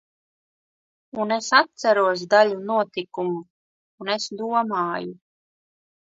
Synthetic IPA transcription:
unesat̪̚sæɾuɔs̬d̪aʎunuɔt̪ikumuː | nesd̪uɔmaːju

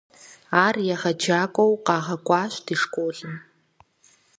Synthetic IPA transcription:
aːrjɛʁɐd͡ʒaːkʷʼowqɑːʁɐkʷʼɑːɕʷd̥iʂkʷʼoːɮɨm

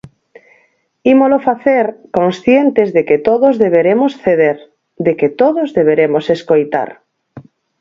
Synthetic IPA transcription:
imolofaθeɾkõnsθjent̪ezðeket̪oðozðeβ̞eɾemosθeð̞eɾ | d̪eket̪oðozðeβ̞eɾemoseskojt̪a̰ɾ

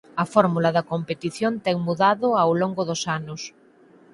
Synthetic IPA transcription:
ɐfɔɾmulɐðɐkompet̪iθjont̪ɛŋmuðaðʊawloŋɡʊðosanʊs

